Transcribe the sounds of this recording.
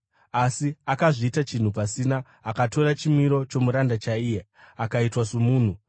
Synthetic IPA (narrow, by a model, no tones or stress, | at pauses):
asiakaʐiːtat͡ʃin̤upasinaː | kato̞rat͡ʃimiɾo̞t͡ʃo̞muɾandat͡ʃaije | akaitwasomuːn̤u